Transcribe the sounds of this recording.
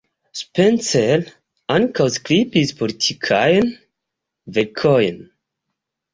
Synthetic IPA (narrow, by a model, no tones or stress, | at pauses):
spɛnsɛl | ankawsklipispʰɔɾtʰikʰajən | vɛkʰɔjən